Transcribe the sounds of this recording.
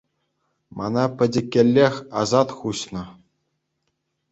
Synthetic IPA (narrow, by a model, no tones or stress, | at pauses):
mʔɑ̰nɑpʲɘ̆dʲɘ̆kʲːelʲːexʲɑzɑt̪χuɕnɤ̆